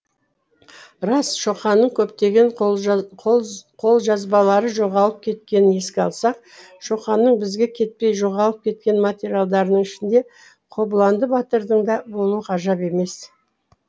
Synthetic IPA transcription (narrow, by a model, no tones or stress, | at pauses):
ɾɑsʃo̞qɑnːəɴkʲʰɵpt̪e̞ɡʲe̞ɴ | qʰo̞lˠʒɑzbɑlˠɑɾəʒo̞ʁɑlˠəp̚kʲʰe̞t̪̚kʲe̞nɪne̞skʲɪɑlˠsɑq̚ | ʃo̞qɑnːəɴbɪzɡʲe̞kʲʰe̞t̪̚pe̞jʒo̞ʁɑlˠəp̚kʲʰe̞t̪̚kʲe̞nmat̪ʲeɾʲialˠd̪ɑɾnəɴɪʃɪnd̪e̞ | qʰo̞blˠɑnd̪əbɑt̪əɾd̪əɴd̪ɑbo̞lˠuəqʰɑʒɑpe̞me̞s